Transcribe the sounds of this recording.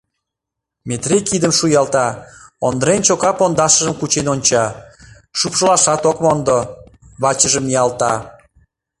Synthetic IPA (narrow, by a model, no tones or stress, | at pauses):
met̪rekid̪əmʃujɑlt̪ɑond̪əɾent͡ɕokɑpond̪ɑʃə̆ʒəmkut͡ɕenonʲt͡ɕɑ | ʃupʃəlɑʃɑt̪okmond̪o | βɑt͡ɕəʒəmiɑlt̪ɑ